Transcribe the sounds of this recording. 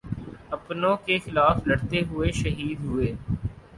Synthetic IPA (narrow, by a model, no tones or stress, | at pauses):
ɐpnõkexɪlaːflɐɽt̪eɦʊeʃɐɦiːd̪ɦʊeː